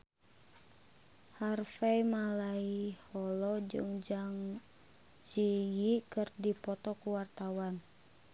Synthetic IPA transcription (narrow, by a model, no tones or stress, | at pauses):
harfɛmalaihɔlɔd͡ʒɨ̰ŋd͡ʒaŋ | sijikɨrdipɔt̪ɔkuwart̪awan